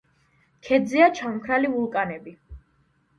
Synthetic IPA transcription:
kʰɛd̪ziat͡ʃʰamkʰɾalivulˠkʼanɛbi

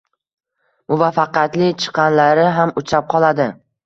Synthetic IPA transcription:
mʊvafːɑqjat̪lɪt͡ʃʰɨ̥qʰːɑnlaɾɪɦamʊt͡ʃʰɾap̚qʰɒlˠad̪ɪ

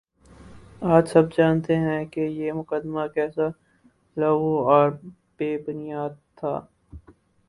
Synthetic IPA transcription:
aːd͡ʒsɐb̚d͡ʒaːnt̪eɦɛ̃kejeːmʊqəd̪makɛːsa | lɐuɔːɾ | beːbʊnijaːd̪̚t̪ʰːa̰ː

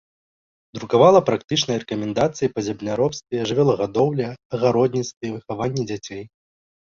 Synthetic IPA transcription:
d̪ɾukavalˠɐpɾak̚t̪ɨt͡ʂnɐjrɛkɐmʲɛnd̪at̪sɨjipɐzʲɛbnʲaɾɔpst̪vʲɛɛʐɨvʲɛlˠɐɣad̪ɔwlʲɐɐɣaɾɔd̪ʲnʲit̪st̪vʲɛvɨxavanʲːɛd͡zʲat͡sʲej

